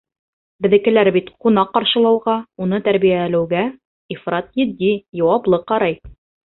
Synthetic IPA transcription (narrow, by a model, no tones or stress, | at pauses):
bɘ̆ðɘ̆kɘ̆læɾbit̪qunɑqːɑɾʃɤ̆lˠɑwʁɑunɤt̪æɾbijælɘ̆wɡæ | ifrɑt̪jɘ̆d̪ːijɑwɑblˠɤqːɑɾɑj